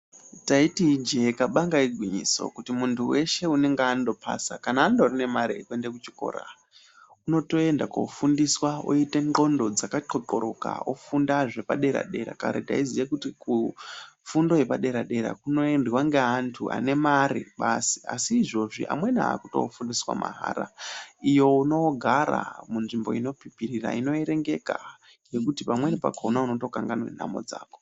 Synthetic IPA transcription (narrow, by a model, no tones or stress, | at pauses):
taitid͡ʒe̞kaɓaŋɡaiɡʱwiɲiso̞̰kutimuntʰuwe̞ʃe̞une̞ŋɡeando̞pʰa̰sa̰kanaːndorine̞maɾekuendekut͡ʃi̥ko̞̰ːɾa̰ | uno̞to̞e̞ndako̰fundiswao̰ite̞ŋŋ͡ǃo̞ndo̞d͡zakaǃo̞ǃo̞ɾo̞ka̰o̰fundaʐe̞paɗe̞ɾa̰ɗe̞ɾa̰ka̰ɾeta̰izijekutikufundo̞je̞paɗe̞ɾaɗe̞ɾa̰kuno̞enrwaŋɡeɦantʰuʔa̰ne̞maɾḭɓasi̥a̰siːʐo̞ʐḭʔa̰mwe̞na̰ːkuto̞̰fundiswa̰ma̰ɦa̰ːɾa̰ijo̞uno̞ɡʱaɾa̰munʐimbo̞̰ino̞pipirira̰ino̞eɾe̞ŋɡe̞ka | je̞kutipamwe̞nipa̰kʰonauno̞to̞kaŋɡanḛna̰mo̞̰d͡zaːko